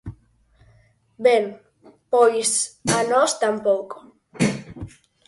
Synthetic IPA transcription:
bem | pojsanɔst̪ampɔko

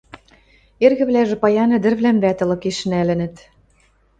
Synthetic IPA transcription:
erɣɘ̆βlæʒɘ̆pɑjɑnɤ̆d̪ɘ̆rβlæmβæt̪ɤ̆lɤ̆keʃɘ̆nælɘ̆nɘ̆t̪

